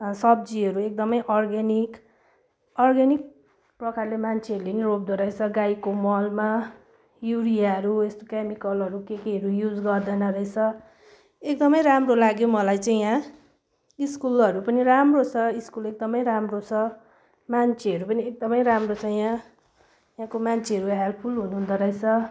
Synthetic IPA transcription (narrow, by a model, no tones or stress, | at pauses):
sʌbd͡ziɦʌɾuek̚d̪ʌmʌjʔʌrɡenik | ʌrɡanik̚ | prʌkarlemant͡sʰeʌɾulenirob̚d̪ʌɾʌjt͡sʰʌɡajkomʌlma | juɾiaʌɾuest̪o̥kemikʌlʌɾukekiɦʌɾujud͡zɡʌrd̪ʌnʌɾʌet͡sʰʌ | ekd̪ʌmʌjɾamrolaɡjomʌlajt͡saĩjã | iskulʌɾupʌniramrot͡sʰʌiskulek̚d̪ʌmʌjɾamrot͡sʰʌ | mant͡sʰeʌɾupʌniek̚d̪ʌmʌjɾamrot͡sʰʌjã | jãkomant͡sʰeɦʌɾuɦalpʰulɦunuɦund̪ʌɾʌjt͡sʰʌ